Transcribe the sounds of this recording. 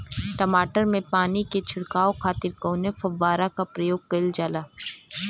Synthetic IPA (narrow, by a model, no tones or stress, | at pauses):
ʈɐmaːʈəɾmẽpaːniket͡ʃʰʊɽkaːokʰaːt̪ɪɾkõːnefɐʋːaːɾakapɾɐjoːɡ̚kɐɪld͡ʒaːlaː